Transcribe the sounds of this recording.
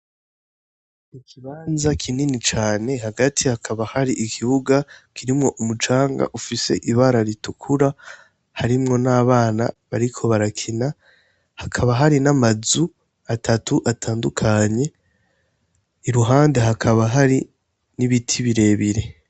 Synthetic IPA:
ikʰiβaːnzakʰininit͡ʃaːne̞haɡatʰihakʰaβahaɾiʔikʰiβuɡakʰiɾimŋo̞ʔumut͡ʃaːŋɡa̰ʔufise̞̰ʔiβaɾaɾitukʰuɾa | haɾimŋo̞naːβaːna̰βaɾikʰo̞βaɾakʰina | hakʰaβaɦaɾinamazu | atʰatuʔatʰaːndukʰaɲe̞ | ɾuɦaːnde̞ɦakʰaβaɦaɾi | niβitʰiβiɾe̞ːβiɾe̞

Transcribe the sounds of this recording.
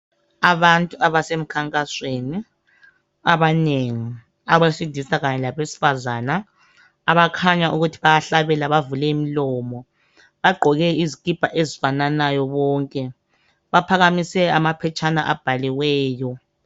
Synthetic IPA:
aβantʼuaβasem̩kʰaŋkʼasweni | aβaneŋi | aɣasidʱisaɣaɲɛlaβesi̥fazaːnaː | βakʰaɲaʔuɣutʰiβajaɬaβɛlaβavulɛimilɔːmɔ | βaɡ͡ǃʱɔɣɛizikʼib̥ʱaʔezifananajɔβɔːŋkʼɛ | βapʰaɣamisɛamapʰɛt͡ʃʰana̰ʔab̥ʱaliwɛːjɔ

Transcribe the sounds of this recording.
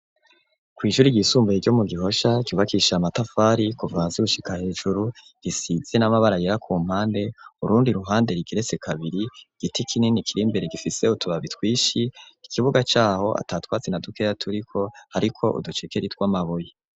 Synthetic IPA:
kwiːʒuɾiɟisuːmbeiɾɟo̞muɡiɦo̞ʃaɟ̥uːβakʰiʃaamatafaːɾikuvaːnziɡuʃikahe̞ːʒuɾu | ɡ̥isiz̥enamaβaɾajeɾakʰuːm̥haːnde̞uɾuːndiɾuɦaːnde̞ɾiɡiɾe̞t͡se̞kʰaβiɾiɡ̥itikʰininikʰiɾimbe̞ɾeɡifise̞utuβaβitwiːʃiːkʰiβuɡat͡ʃaːho̞ʔa̰taːtwaːt͡senadukejatʰuɾikʰo̞haɾikʰo̞ʔṵdut͡ʃikeɾitwaːmaβoje

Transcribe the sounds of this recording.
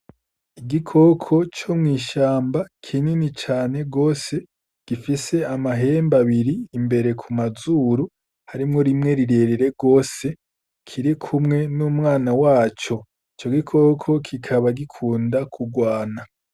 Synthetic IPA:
iɡikʰo̞kʰo̞t͡ʃomŋiːʃaːmbakʰininit͡ʃaːne̞ɡo̞ːse̞ | ɡ̥ifise̞amaɦe̞ːmbaβiɾiːmbe̞ɾe̞kʰumazuɾu | haɾimŋo̞ɾimŋe̞ɾiɾe̞ɾeɾe̞ɡo̞ːse̞ | kʰiɾikʰumŋe̞numŋaːnawaːt͡ʃo̞ | it͡ʃo̞ɡikʰo̞kʰo̞kʰikʰaβaɡikʰuːndakʰuɡwaːna

